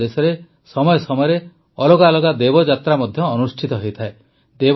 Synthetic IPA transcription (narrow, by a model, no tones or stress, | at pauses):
esɔɾe | sɔmɔjɔsɔmɔjɔɾe | ɔloɡalɔɡad̪ebɔd͡ʒat̪ɾamɔd̪ʱjɔːnusʈʰit̪ɔɦojt̪ʰae | d̪eb